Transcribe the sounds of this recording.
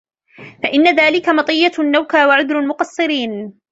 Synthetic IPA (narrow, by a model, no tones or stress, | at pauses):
faʔɪnːaðaːlɪkamɑt̪ˤɨjːanːawkaːwaʕʊd̪ɾalmʊqɑsˤːɨɾiːn